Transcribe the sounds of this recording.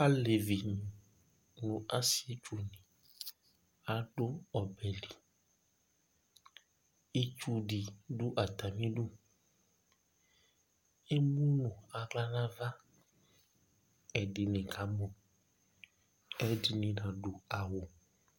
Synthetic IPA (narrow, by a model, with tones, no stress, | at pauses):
a˦le˨vi˨nĩ˨ | nũ˨ʔa˦si˦˨e˦t͡ʃu˨nĩ˨ | a˨ɖo˦ɔ˨bɛ˨li˨ | e˦t͡ʃu˦ɖi˨ɖo˦ʔa˨t̪a˨mĩ˦ɖu˦ | e˦mũ˦nũ˨a˨ɡla˦nã˦va˦ | ɛ˨ɖe˨nẽ˨ka˨˦mo˨ | ɛ˦di˨nĩ˨ɖã˨ɖo˨a˨wo˨